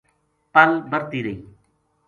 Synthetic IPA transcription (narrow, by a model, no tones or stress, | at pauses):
pəlbəɾt̪iːɾəiː